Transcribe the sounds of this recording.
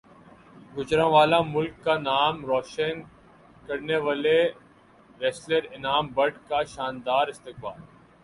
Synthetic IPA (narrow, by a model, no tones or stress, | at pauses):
ɡʊt͡ʃɾãʋaːlãmʊlkːanaːmɾɔːʃən | kɐɾneʋaːle | ɾɛːsləɾɪnaːmbɐɖkaʃaːnd̪aːɾɪst̪ɪkbaːl